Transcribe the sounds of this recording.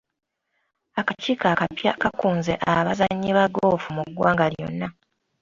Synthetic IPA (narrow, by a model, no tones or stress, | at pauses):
akaciːkakapjakakuːnzeʔaβazaɲːiβaɡoːfumuɡwaːŋɡaljo̞̰nːa